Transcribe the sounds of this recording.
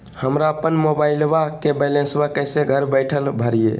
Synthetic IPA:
həmɾaəpənmobailʋakebɛlẽnsbakəjseɡʱəɾbəjʈʰəlbʱəɾijḛ

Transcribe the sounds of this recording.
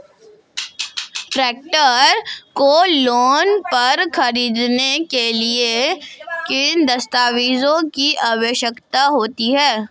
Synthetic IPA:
ʈɾeːk̚ʈəɾkoloːnpɐɾxɐɾiːd̪nekelie | kɪnd̪ɐst̪aːʋiːzõkiʔawəʃjəkt̪aɦoːt̪iɦɛː

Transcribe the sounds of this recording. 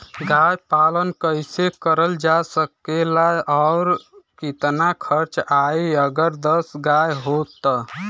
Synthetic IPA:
ɡajpalənkəɪsekəɾəld͡ʒasəkelaɔʊɾkit̪nakʰəɾt͡ʃaiəɡəɾd̪əsɡajɦot̪ː

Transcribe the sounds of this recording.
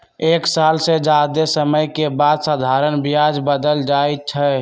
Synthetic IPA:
eksalsed͡ʒad̪esəməjkebad̪sad̪ʱaɾənbijad͡ʒbəd̪əld͡ʒaet͡ʃʰə

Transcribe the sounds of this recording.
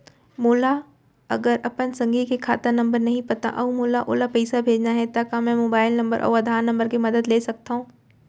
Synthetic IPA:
moːla | ɐ̰ɡəɾʔɐpən̆sɐ̃ŋɡʱikʰekʰaːt̪ənɐ̃mbəɾnɐɦĩpɐt̪ã̰ʔɐumoːlaʔoːlapɐisabʱeːd͡ʑnaɦɛt̪akãmɛ̃moːbaːɪlnɐ̃mbəɾʔɔ̰ːɐd̪ʱaːɾnɐ̃mbəɾkʰemɐd̪əd̪leːsɐɡ̚t̪ʰaɦũː

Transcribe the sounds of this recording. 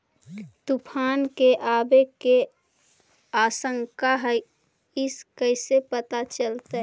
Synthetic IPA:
t̪upʰaːnkeʔaːbeke | aːsə̃ŋkaɦɛ | ɪskəɪsepət̪at͡ʃəlt̪e

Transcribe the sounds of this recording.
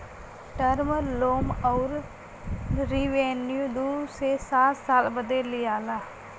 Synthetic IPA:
ʈəɾməɾloːmɔːɾ | ɾiʋeːnjud̪uːsesaːt̪saːlbəd̪elɪjaːlaː

